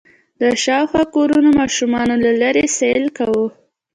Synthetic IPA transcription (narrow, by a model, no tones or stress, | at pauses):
d̪əʃɑwxwɑkoɾunomɑʃumɑnolalaɾeselkawu